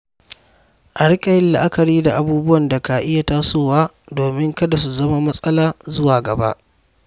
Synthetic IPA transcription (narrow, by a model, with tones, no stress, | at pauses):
ʔa˨ɽɪ˦kʼɐ˨jɪ˦lːa̰˨ʔa˦kɐ˨ɾiː˦da˨ʔa˨buː˦bʊ˦wɐ˨nda˨ka˨ʔɪ˦ja˨ta˦soː˦waː˦ | doː˨mɪ˦ŋkɐ˦da˨su˨zɐ˦ma˦mɐ˦sʼɐ˦laː˦zʊ˦waː˨ɡɐ˨ba̰˦ʔ